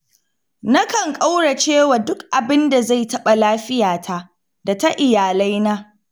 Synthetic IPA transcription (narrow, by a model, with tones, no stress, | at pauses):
na˦kɐ˨ŋkʼa˦wɽa˨t͡ʃeː˦wa˨dʊ˦kʔa˨bɪ˦nda˨za˦˨jtɐ˦ɓa˨laː˦ɸɪ˦jaː˨tʰa˦ʔ | da˨ta˦ʔɪ˨jaː˨la˦jnaː˦